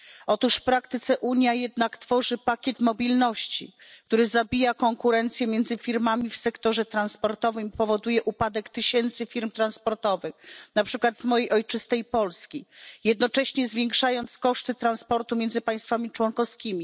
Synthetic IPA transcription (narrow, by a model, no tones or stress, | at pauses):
ɔt̪uʂfpɾakt̪ɘt̪sɛʔuɲjajɛd̪nakt̪fɔʐɘpakʲɛt̪mɔbʲilnɔɕt͡ɕḭk̚t̪uɾɘzabʲijakɔŋkuɾɛnt̪sʲjɛmʲjɛnd̪zɘfʲiɾmamʲifsɛkt̪ɔʐɛt̪ɾanspɔɾt̪ɔvɘmipɔvɔd̪ujɛʔupad̪ɛkt̪ɘɕɛnt̪sɘfʲiɾmt̪ɾanspɔɾt̪ɔvɘxnapʂɘkwad̪zmɔjejʔɔjt͡ʂɘst̪ɛjpɔlskʲijɛd̪nɔt͡ʂɛɕɲɛzvʲjɛŋkʂajɔnt̪skɔʂt̪ɘt̪ɾanspɔɾt̪umjɛndzɘpaj̃st̪famʲit͡ʂwɔnkɔfskʲimʲi